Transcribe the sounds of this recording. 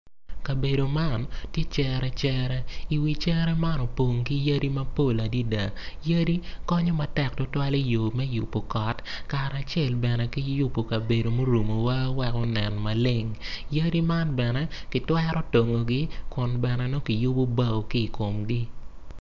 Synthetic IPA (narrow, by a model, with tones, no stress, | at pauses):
ka˨be˨do˨ma˦˨ntjɛ˦t͡ʃɛ˦ɾɛ˦t͡ʃɛ˦ɾɛ˦i˨wi˨t͡ʃɛ˦ɾɛ˦ma˦nɔ˨po˨ŋki˦ja˦ɾi˦mɐ˦po˦˨la˨di˦da˨ja˦ɾi˦kɔ˦ɲɔ˦ma˨tɛ˦˨k̚tʊ˦twa˦li˦jo˨mɛ˦ju˨pːo˨kɔ˨tka˨ɾa˨t͡ʃɛ˦˨lbɛ˨nɛ˨ki˦ju˦pːo˨ka˨be˨do˨mo˦ɾu˨mo˨wa˦wɛ˦kɔ˦nɛ˨nma˨lɪ˦ŋjɐ˦ɾi˦ma˦nbɛ˨nɛ˦kɪ˨twɛ˦ɾɔ˦to˨ŋo˨ɡi˦kʊ˨nbɛ˨nɛ˨no˦ki˨ju˦bo˦ba˦o˨ki˦˨ko˨mɡi˦